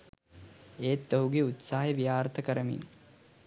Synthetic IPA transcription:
eːt̪ːoɦuɡeut̪saːɦeʋijaːrt̪əkəɾəmḭn

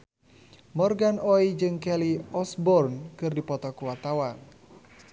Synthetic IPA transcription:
mɔrɡanɔid͡ʒɨŋkɛliɔsbɔrnkɨrdipɔt̪ɔkuwat̪awan

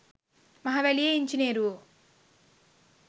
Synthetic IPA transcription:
mɐɦɐʋelijeːiɲt͡ʃineːɾu

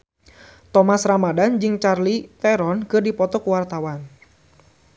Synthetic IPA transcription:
t̪ɔmasramadand͡ʒɨŋt͡ʃarlit̪ɛɾɔnkɨrdipɔt̪ɔkuwart̪awan

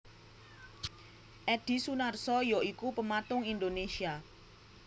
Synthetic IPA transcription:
ʔɛɖ̥i̤sunarsɔjɔʔikupəmat̪ʊŋind̪onesia

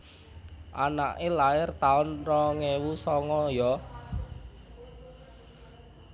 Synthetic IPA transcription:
ʔanaʔelaɪrt̪aʊnrɔŋewusɔŋɔjɔ

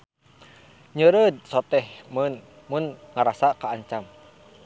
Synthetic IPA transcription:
ɲəɾəd̪̚sɔt̪ɛhmən | munŋaɾasakaːɲt͡ʃam

